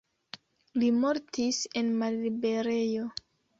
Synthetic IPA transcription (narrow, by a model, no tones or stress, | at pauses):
limo̞ɾtise̞nmalibeɾejo̞